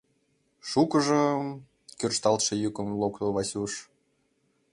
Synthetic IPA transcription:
ʃukəʒə̆ | kʲørʃt̪ɑlt̪ʃɤ̆jukə̆mlˠokt̪oβɑsʲuʃ

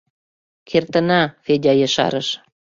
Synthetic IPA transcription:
kʰert̪ə̆nɑfedʲɑjə̆ʃɑ̰ɾəʃ

